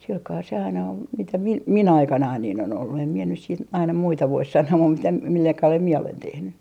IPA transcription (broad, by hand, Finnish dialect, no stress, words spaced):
silkɑː se ɑinɑ ol mitæ mi min ɑikɑnɑin niːn on olːu em mie nys siːt ɑinɑ muitɑ ʋois sɑnoː mum mitæ milːɑ kɑlel mie olen tehny